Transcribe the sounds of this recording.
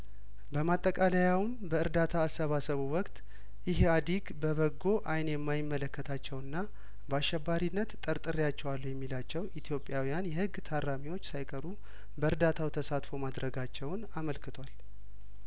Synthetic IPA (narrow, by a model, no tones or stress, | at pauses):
bəmat̪ʼːəkʼalajawmbəɨɾd̪at̪ʰaːsːəβasəβuwɔkt̪ʼ | jɪɦead̪iɡbəβəɡo̞ʔajnjɛmːajɪmːələkːət̪ʰat͡ʃːɛwɨnːa | bəaʃːɛbːaɾinːət̪t̪ʼəɾt̪ʼɨɾijat͡ʃːɛwalːujɛmːilat͡ʃːɛwit̪ʰijo̞pʼjawijanjɛhɨɡːt̪ʰaɾːamiwo̞t͡ʃːsajkʼəɾu | bəɨɾd̪at̪ʰawt̪ʰəsat̪fo̞mad̪ɾəɡat͡ʃːɛwnaməlkɨt̪ʰwal